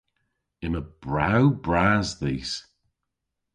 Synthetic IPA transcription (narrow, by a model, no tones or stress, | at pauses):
ɪ̃nəb̥ɹawbɹaːzðiːs